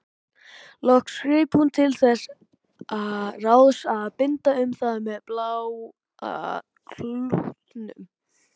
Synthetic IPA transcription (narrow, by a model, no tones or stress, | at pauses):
lɔhkskɾɪːphunt̪ʰɪlθɛs | aðraːwðsaðpɪnt̪aʏmθaðmɛðplaw | kʰluht̪nʏ̰m